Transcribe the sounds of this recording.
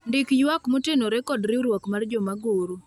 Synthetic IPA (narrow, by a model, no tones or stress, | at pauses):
ndɪkjwakmotenoɾɛkɔdɾɪuɾwɔkmard͡ʒɔmaɡoɾu